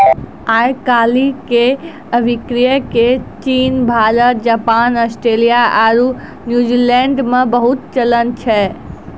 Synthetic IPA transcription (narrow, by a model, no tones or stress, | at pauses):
ajkalike | əbʱikɾijəket͡ʃinbʱad͡ʒəɾd͡ʒapanəsʈɾelijaaɾu | njud͡ʒilɛ̃ɳɖmebəɦut̪̚t͡ʃələnt͡ʃʰɛ